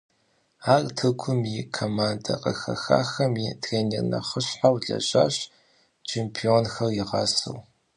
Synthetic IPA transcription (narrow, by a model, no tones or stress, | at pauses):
aːrtʰɨkʷʰʊmikʰomaːndɐqʼɐxɐxa̰ːxɐmjitʰreːnirnɐ̰χəɕħawɮɐ̰ɕʼaːɕ | t͡ʃʰeːmpʰionxɐrjɪʁɑ̰sɨ̰w